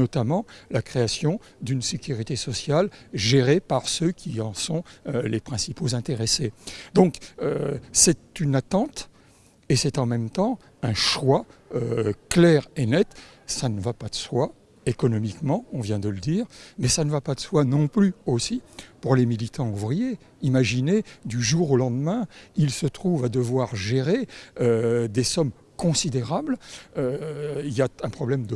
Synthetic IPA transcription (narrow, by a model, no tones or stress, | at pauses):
nɔt̪amɑ̃lakχeasjɔ̃ | d̪ynsekʲyʁit̪esɔsjalʒeʁepaʁsøkʲʰiɑ̃sɔ̃lepχɛ̃sipozɛ̃t̪eʁesed̪ɔ̃køsɛt̪ynat̪ɑ̃t̪ | esɛt̪ɑ̃mɛmt̪ɑ̃ | ɛ̃ʃwaøklɛʁenɛt̪ | sanəvapad̪̥əswa | ekɔnɔmikmɑ̃ɔ̃vjɛ̃d̪ələd̪iːʁmɛsanəvapad̪əswanɔ̃plyosipuʁlemilit̪ɑ̃uvʁije | imaʒined̪yʒuʁolɑ̃d̪mɛ̃ilsət̪χuvad̪əvwaʁʒeʁeød̪esɔm | kɔ̃sid̪eʁabløiljaɛ̃pχɔblɛmd̪ə